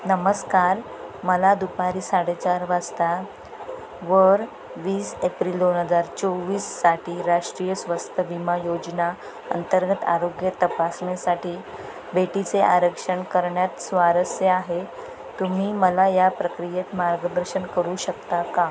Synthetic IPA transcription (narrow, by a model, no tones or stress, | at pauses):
nəməskaɾ | məlad̪upaɾiːsaɽet͡saɾʋad͡zt̪a | ʋəɾ | ʋiːsepɾiːld̪onɦəd͡zaɾt͡soʋiːsːaʈʰiːɾaʂʈɾijəsʋəst̪əʋimajod͡ʑna | ə̰nt̪əɾɡət̪a̰ɾoɡjət̪əpasɳesaʈʰiː | beʈit͡seʔaɾəkʂəɳkəɾɳjat̪sʋaɾəsjəaɦe | t̪um̤iːməlajapɾəkɾijet̪maɾɡəd̪əɾɕəɳkəɾuɕəkt̪aka